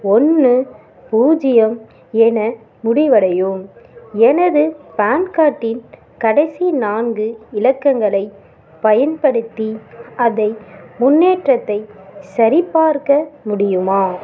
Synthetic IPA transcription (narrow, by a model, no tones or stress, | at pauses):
ɔnːɯ | puːd͡ʒɪjɐm | ɛnɐ | mʊɽɪʋɐɽɐjɯmɛnɐðɯpaːnkaːʈːɪn | kɐɽɐɪsinaːnɡɯɪlɐkːɐŋɡɐɭɐɪ | pɐjɐnpɐɽɯt̪ːiɐðɐɪmʊnːeːʈrɐt̪ːɐɪsɐɾɪpːaːɾkɐmʊɽɪjɯmaː